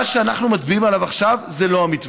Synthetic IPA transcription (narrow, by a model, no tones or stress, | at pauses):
aʃeanaχnumat̪biimalavaχʃavzelo̞amit̪v